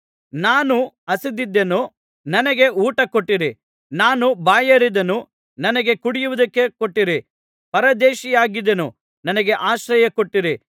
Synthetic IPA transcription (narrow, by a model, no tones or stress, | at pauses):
naːnu | ɐsid̪id̪ːɐnu | nɐnɐɡe̞ʔuːʈɐkoʈːiɾi | naːnubaːjɐɾid̪ɐnu | nɐnɐɡe̞kuɽijuʋud̪ɐkːe̞koʈːiɾi | pɐɾɐd̪eːʃijaːɡid̪ɐnṵ | nɐnɐɡe̞ʔaːʃɾɐjɐkoʈːiɾi